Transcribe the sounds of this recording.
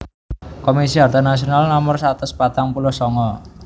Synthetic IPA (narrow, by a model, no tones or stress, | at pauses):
komisiɦart̪anas̬ionalnɔmʊrsat̪ʊspat̪aŋpulʊhsɔŋɔ